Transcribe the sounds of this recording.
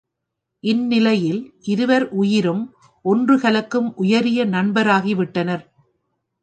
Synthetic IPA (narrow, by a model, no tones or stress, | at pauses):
ʔɪnːɪlɐjɪlʔɪɾɯʋɐɾʔʊjɪɾɯm | ʔɔndrɯɣɐlɐkːɯmʔʊjɐɾɪjɐnɐɳbɐɾaːɣiʋɪʈːɐnɐɾ